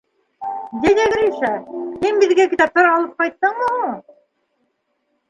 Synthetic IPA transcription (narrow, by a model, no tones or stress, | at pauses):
d̪ʲæd̪æɡɾiʃæhinbɘ̆ðɡækĭt̪ɑp̚t̪ɑɾɑlˠɤp̚qɑjt̪ːɤɴmɤu